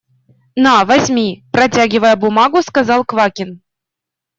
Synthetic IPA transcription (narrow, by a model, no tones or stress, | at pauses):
nɑvɑsʲmʲiprɐtʲaɡʲivəjəbumɑɡuskɑzɑlˠkvɑkʲin